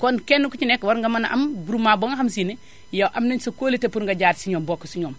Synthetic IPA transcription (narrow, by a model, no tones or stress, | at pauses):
konkenːukut͡ʃinekwaɾŋɡamanaʔa̰mbuɾumːaboŋaxamsine | joʔamnɐɲsokoːlitepuɾŋɡaɟaːɾsiɲoːmbokːosiɲoːm